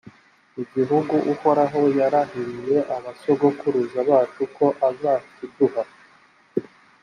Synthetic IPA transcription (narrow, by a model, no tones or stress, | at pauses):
iɟiɦuɡuʔuho̞ɾaɦo̞jaɾaɦiɾije̞ʔaβasoɡo̞kuɾuzaβaːt͡ʃukʰo̞ʔazaːtiduɦa